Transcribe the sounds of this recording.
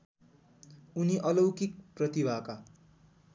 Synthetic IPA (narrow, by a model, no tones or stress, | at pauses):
uniʔʌlʌwkik̚prʌt̪ibʱaka